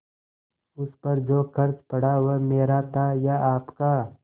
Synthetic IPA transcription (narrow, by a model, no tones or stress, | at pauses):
ʊspɐɾd͡ʒoːkɐɾt͡ʃpɐɽaʋəmeːɾat̪ʰajaʔaːpka